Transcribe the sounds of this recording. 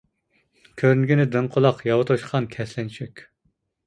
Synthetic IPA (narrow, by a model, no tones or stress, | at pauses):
kʲʰøɾnɡʲinɪd̪ɨɴqʰolˠɑqjɑwt̪ʰoʃqʰɑnkʲʰɛslɛnt͡ʃʰykʲ